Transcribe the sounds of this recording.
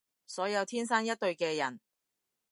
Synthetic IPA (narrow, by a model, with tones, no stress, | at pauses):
sɔː˨˥jɐ˨˧wt̪ʰiː˥nsaː˥njɐ˥t̚t̪ːɵ˧ɥkɛː˧jɐ˨˩n